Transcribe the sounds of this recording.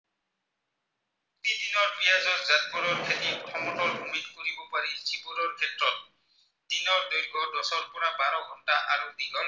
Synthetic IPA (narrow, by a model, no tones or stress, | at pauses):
tid̪inɔɹpijazɔtzat̚buɾɔɹkʰetitʰɔmɔtɔlbʱumitkoɾibɔpaɹisipuɾɔɹkʰetɹɔt̚ | d̪̥inɔɹd̪ɔjɹɡɔdɔsɔlpʊɹabaɹɔɡʱɔntaʔaɹud̪iɡɔl